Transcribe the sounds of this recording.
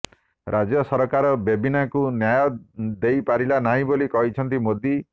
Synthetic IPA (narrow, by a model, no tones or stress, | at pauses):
ɾʔad͡ʒjɔsɔɾɔkaɾɔbebinakunjajɔd̪ejpaɾilanaɦĩbolikɔɦit͡ʃʰɔnt̪̬imod̪ʱi